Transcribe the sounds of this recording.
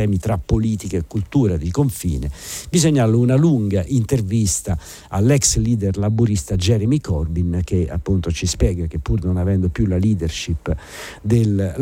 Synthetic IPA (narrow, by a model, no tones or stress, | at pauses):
ɛːmit̪ɾapːoliːt̪ikaekːult̪uːɾad̪ikoɱfḭːnebizoɲːaluunaluŋɡaʔint̪ervist̪a | alːɛksliːd̪ɛrlabuɾist̪ad͡ʒɛɾɛmikʰɔrbink̟ea̰pːunt̪ot͡ʃispjɛːɡak̟epːurnonavɛnd̪opjulaliːd̪ɛrʃipː | d̪el